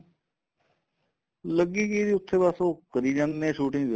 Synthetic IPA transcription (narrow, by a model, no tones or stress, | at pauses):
ləɡiːkiːd̪iːʊt̪ʰːeːpaːsõːkəɾiːd͡ʒãnnẽːʃuːʈɪ̃ŋ